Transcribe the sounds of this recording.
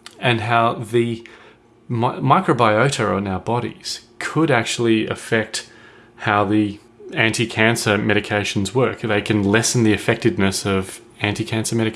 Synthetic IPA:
ɨ̃nɦaʊðɨ | mmaɪkɹəʊbaɪoʊɾəʊəɨ̃naʊə˞bɑɾḭz̥kʰəɾæk̚t͡ʃul̩ˠiɨ̰fɛk̚t̚ | haʊði | æ̃ntikʰæ̃nsə˞mɛɾɨkʰeɪʃn̩zwɜ˞kðeɪkʰɨ̃nlɛsn̩ðiɨfɛk̚tɨdⁿnɨsʌv | æ̃ntikʰæ̃nsə˞mɛɾɨ

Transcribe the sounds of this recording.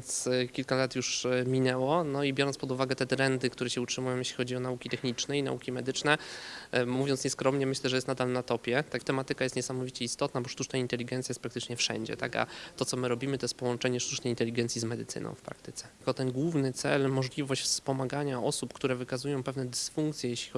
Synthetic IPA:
vjnt̪skʲilkalat̪juʂmʲinɛwɔnɔibʲjɔɾɔntspɔd̪uvaɡɛt̪ɛt̪ɾɛnd̪ɘkt̪uɾɛɕɛutʂɘmujɔ̃mjɛɕlʲixɔd͡ʑiɔnaukʲit̪ɛxɲit͡ʂnɛina̰ukʲimɛd̪ɘt͡ʂnɛ | muvʲjɔnt̪sɲɛskɾɔmɲɛmɘɕlɛʐɛjɛst̪nad̪alnat̪ɔpʲjɛt̪at̪ɛmat̪ɘkajɛst̪ɲɛsamɔvʲit͡ɕɛist̪ɔt̪nabɔʂt̪ut͡ʂnaint̪ɛlʲiɡɛnjajɛst̪pɾakt̪ɘt͡ʂɲɛfʂɛ̰ɲd͡ʑɛ̰t̪a̰ka̰t̪ɔt̪sɔmɘɾɔbʲimɘt̪ɔjɛst̪̚pɔwɔnt͡ʂɛɲɛʂt̪ut͡ʂnɛjint̪ɛlʲiɡɛnt̪sʲizmɛd̪ɘt̪sɘ̰nɔ̰̃w̃fpɾa̰kt̪ɘt̪sɛ̥kɔt̪ɛnɡwuvnɘt̪sɛ̰lmɔʐlʲivɔɕt͡ɕfsspɔmaɡaɲaʔɔsupkt̪uɾɛvɘkazujɔ̃w̃pɛvnɛd̪ɘsfuŋkt̪sʲjɛjɛɕlʲixɔ

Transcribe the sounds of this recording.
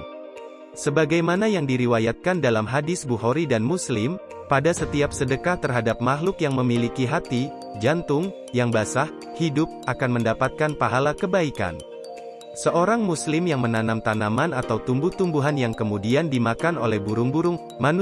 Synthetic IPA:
səbaɡajmanajaŋdiɾiwajat̪̚kandalamɦadɪsbuɦoɾidanmuslɪm | padasət̪iap̚sədəkaht̪ərɦadap̚mahlʊkjaŋməmilikiɦat̪i | d͡ʒant̪ʊŋ | jaŋbasah | hidʊp̚ʔakanməndapat̪̚kanpaɦalakəbaika̰n | səʔoɾaŋmuslɪmjaŋmənanamt̪anamanat̪awt̪umbʊht̪umbuɦanjaŋkəmudiandimakanolɛhbuɾʊŋbuɾʊŋ | man

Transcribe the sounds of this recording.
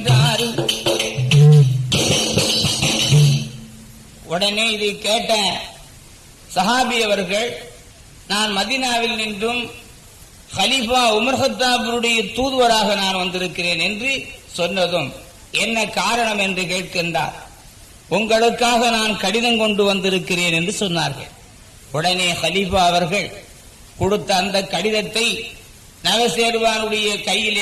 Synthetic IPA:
daːɾi | ʊɽɐneːɪðɯkeːʈːɐ | sɐɣaːbɪjɐʋɐɾɣɐɭ | naːnmɐðiːnaːʋɪlnɪndrɯm | xɐlifaːʊmɐɾɣɐt̪ːaːbʊɾɯɽɐjɐt̪uːðɯʋɐɾaːɣɐnaːnʋɐnd̪ɪɾɯkːɪreːnɛndrɯsɔnːɐðɯm | ɛnːɐkːaːɾɐɳɐmɛndrɯkeːʈ̚kɛndra̰ːl | ʔʊŋɡɐɭɯkːaːɣɐnaːnkɐɽɪðɐmkɔɳɖɯʋɐnd̪ɪɾɯkːɪreːnɛndrɯsɔnːaːɾɣɐ̰ɭ | ʊɽɐneːxɐlɪfaːɐʋɐɾɣɐɭ | kʊɽɯt̪ːɐːnd̪ɐkːɐɽɪðɐt̪ːɐɪ | nɐɣɐseːɾɯʋaːnɯɽɐjɐkɐjːɪl

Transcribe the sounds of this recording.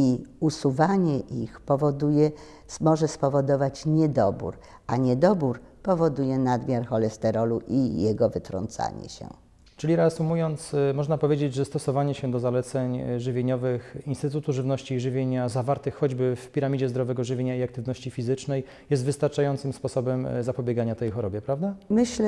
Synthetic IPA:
iusuvaɲɛʔixpɔvɔd̪ujɛ | mɔʐɛspɔvɔd̪ɔvat͡ɕɲɛd̪ɔbṵɾ | aɲɛd̪ɔbuɾpɔvɔd̪ujɛnad̪mʲjaɾxɔlɛst̪ɛɾɔluʔijɛɡɔvɘt̪ɾɔ̰nt̪sa̰ɲɛ̰ɕɛ̰ | t͡ʂɘlʲiɾɛasumujɔnt̪smɔʐnapɔvʲjed͡ʑed͡ʑʐɛst̪ɔsɔvaɲɛɕɛd̪ɔzalɛt̪sɛɲʐɘvʲjeɲɔvɘxinst̪ɘt̪ut̪uʐɘvnɔɕt͡ɕiːʐɘvʲjeɲazavaɾt̪ɘxːɔd͡ʑbɘfpʲiɾamʲid͡ʑɛzd̪ɾɔvɛɡɔʐɘvʲjeɲaiakt̪ɘvnɔɕt͡ɕifʲizɘt͡ʂnɛj | jɛst̪vɘst̪aɾt͡ʂajɔnt̪sɘmspɔsɔbɛmzapɔbʲeɡaɲat̪ɛjxɔɾɔbʲjɛpɾavd̪amɘɕlɛ

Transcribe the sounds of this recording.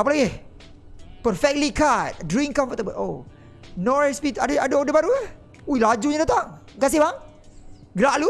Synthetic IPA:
apalaɡɪh | pərfɛk̚t̚likat̪̚dɾiŋkãmfət̪əbəlo | nɔɹɛspit̪adəadəodəbaɾuə | uilad͡ʒuɲãdat̪aŋ | ɡas̬ɪhbaŋ | ɡɾaʔlu

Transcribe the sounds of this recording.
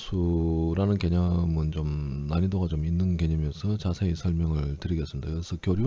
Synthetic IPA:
sʰuɾanɯnke̞ɲamɯnt͡ɕomnaɲidoɡat͡ɕominːɯnke̞ɲamjʌnsʰʌt͡ɕasʰeesʰʌɭmjʌŋɯɭtɯɾiɡes͈ɯmidaksʰʌkjoɾju

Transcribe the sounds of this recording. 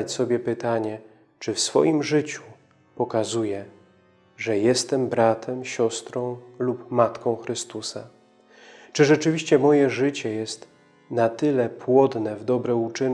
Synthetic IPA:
at͡ɕsɔbʲjɛpɘt̪aɲɛ | t͡ʂɘfsfɔ̰jimʐɘt͡ɕu̥ | pɔkazujɛ | ʐɛjɛst̪ɛmbɾat̪ʰɛmɕɔst̪ɾɔ̃w̃lupmat̪kɔ̃w̃xɾɘst̪usa | t͡ʂɘʐɛt͡ʂɘvʲiɕt͡ɕɛmɔjɛʐɘt͡ɕɛjɛst̪ | nat̪ɘlɛpwɔd̪nɛvd̪ɔbɾɛut͡ʂɘn

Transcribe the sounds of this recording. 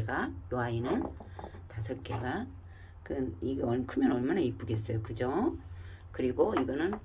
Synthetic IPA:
ɡajoainɯntasʰɯk͈eɡa | kɯniɡeʌkʰɯmjʌnʌɭmanaip͈ɯɡe̞s̬͈ʌjokɯd͡ʑo | kɯɾiɡoiɡʌnɯn

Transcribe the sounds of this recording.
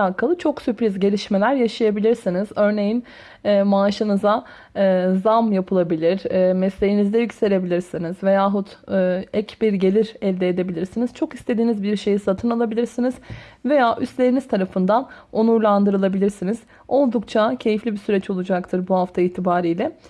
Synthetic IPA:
aːkʰalˠɯt͡ʃʰo̞ksypɾizɟe̞lʲiʃme̞lʲæɾjaʃajabilʲiɾsiniz̥ø̞ɾne̞jin | ɛːmaːʃɯnɯza | zamjapʰɯlˠabilʲiɾ̥ːmɛslʲe̞jinizd̪ɛjycse̞lʲe̞bilʲiɾsinizve̞jaːɦut̪ːɛcbiɾɟe̞lʲiɾɛlʲd̪eːd̪e̞bilʲiɾsiniz̥t͡ʃʰo̞kist̪ʰe̞d̪iːnizbiɾʃe̞jisat̪ʰɯnalˠabilʲiɾsinizve̞jaːʔyst̪lʲe̞ɾiniz̥t̪ʰaɾafɯnd̪anonuɾlˠand̪ɯɾɯlˠabilʲiɾsiniz̥ | o̞lˠd̪ukt͡ʃʰacʰe̞jiflʲibisyɾɛt͡ʃo̞lˠud͡ʒakt̪ʰɯɾbuɦaft̪ʰaiːt̪ʰibaːɾijlʲɛ

